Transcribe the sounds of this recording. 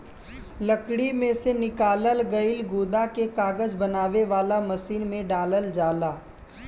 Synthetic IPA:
ləkɽimẽsenɪkaːləlɡɐɪlɡoːd̪akekaːɡəd͡ʒbɐnaːʋeʋaːlamɐsiːnmẽɖaːləld͡ʒaːlaː

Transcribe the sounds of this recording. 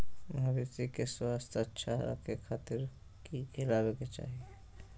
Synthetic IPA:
bʱɐbit̪ikeswaːst̪ʰətːʃʰaɾa̰kekʰaːt̪ɪɾ | kikʰɪlaːweket͡ʃa̰ːɦie

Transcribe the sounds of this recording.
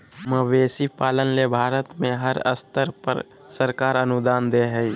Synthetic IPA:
məʋeːsipaːlənlebʱaːɾət̪mẽɦəɾə̰st̪əɾpə̰ɾ | səɾkaːɾənʊd̪aːnd̪eɦɛi

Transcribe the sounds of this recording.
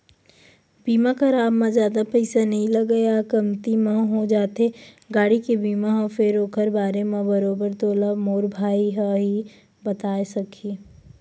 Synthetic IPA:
biːmakɐɾaːbmãzjaːd̪apɐɪsanɐɦĩlɐɡəjakɐmt̪imãɦod͡ʒaːt̪e | ɡaːɽikebiːmaɦõfɪɾoːkʰəɾbaːɾemãbɐɾoːbəɾt̪oːlamoːɾbʱaːiɦaɦi | bɐt̪aːesɐkʰi

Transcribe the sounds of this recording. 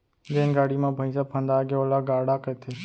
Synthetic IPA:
d͡ʒeːnɡaːɽimãbʱəjsapʰə̃nd̪aːɡeolaɡaːɽakət̪ʰe

